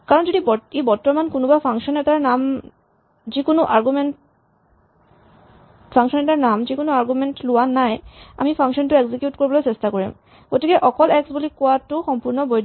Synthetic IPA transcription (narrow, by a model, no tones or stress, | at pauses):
kaɹɔnd͡ʒodibɔebɔɹtːɔmankonobapʰaŋʃɔnɛtaɹnam | zikonoʔaɹɡumen | pʰaŋkʃɔnɛtaɹnamzekonoaɹɡumentluanːaja̰mipʰaŋkʃɔntʊeɡzikjutkoɹibɔlojsestakoɹḭm | ɡ̥otikɛʔɔkɔlɛksbulikowatuxɔmpuɹnɔboj